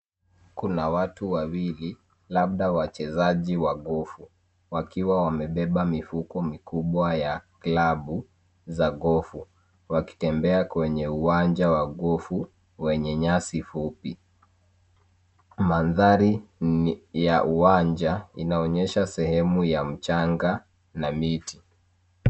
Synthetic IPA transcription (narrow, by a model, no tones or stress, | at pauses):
kunawatuwawili | laɓ̚ɗawat͡ʃɛzaʄiwaɠɔfu | wakiwawamɛɓɛɓamifukɔmikuɓwajaklaɓu | zaɠɔfu | waki̥tɛmbɛakwɛɲɛuwand͡ʒawaɠɔfu | wɛɲɛɲasifupi | manðaɾi | jaʔuwand͡ʒainaɔɲɛʃasɛhɛmujam̩t͡ʃaŋɡa | namiti